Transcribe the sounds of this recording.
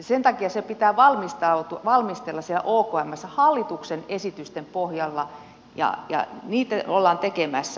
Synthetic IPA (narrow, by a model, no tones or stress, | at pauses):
sent̪ɑkiɑsepit̪æːʋɑlmist̪ɑut̪uʋɑlmist̪elːɑssielæ̰ʔoːkoæmːæsːæhɑlːit̪uksenesit̪yst̪empohjɑlːɑ | jɑ̰jɑ̰niːt̪æolːɑːnt̪ekemæsːæ